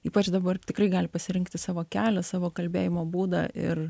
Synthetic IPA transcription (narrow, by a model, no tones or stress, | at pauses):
iːpɐt͡ʃd̪ɐbɐrt̪ʲɪkɾrɐɪɡɑːlʲɪpɐsʲɪɾʲɪŋkt̪ʲɪsɑːʋoːkʲæːlʲɛsɑːʋoːkɐlʲbʲeːjɪmoːbuːd̪ɑ̰ːɪ̰r